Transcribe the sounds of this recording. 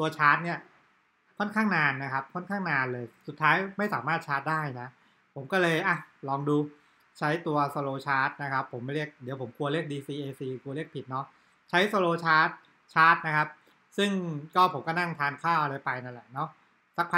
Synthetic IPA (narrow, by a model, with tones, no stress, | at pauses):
t̪u˧ɐt͡ɕʰaː˦˥t̪̚ni˥˩ɐ | kʰɔ˥˩nkʰaː˥˩ŋnaː˧nːa˦˥kʰa˦˥p̚kʰɔ˥˩nkʰaː˥˩ŋnaː˧nlɤː˧jsu˨˩t̪ʰːaː˦˥jma˥˩jsaː˩˦maː˥˩t̪̚t͡ɕʰaː˦˥t̪̚daː˥˩jna˦˥ | pʰo˩˦mkɔː˥˩lɤː˧jʔa˧˩lɔː˧ŋduː˧ | t͡ɕʰa˦˥jt̪u˧ɐso˧loː˧t͡ɕʰaː˦˥t̪̚na˦˥kʰa˦˥pʰːo˩˦mːa˥˩jɾi˥˩ək̚di˩˦wpʰo˩˦mkʰu˧ɐli˥˩ək̚diː˧siː˧ʔeː˧siː˧kʰu˧li˥˩ək̚pʰi˨˩t̪̚nɔ˦˥ | t͡ɕʰa˦˥jso˧loː˧t͡ɕʰaː˦˥t̪̚ | t͡ɕʰaː˦˥t̪̚na˦˥kʰa˦˥p̚ | sɯ˥˩ŋkɔː˥˩pʰo˩˦mkɔ˥˩na˥˩ŋt̪ʰaː˧nkʰaː˥˩wʔa˧ɾa˧jpa˧jna˥˩nlɛ˨˩˦nɔ˦˥ | sa˨˥k̚ʰa˧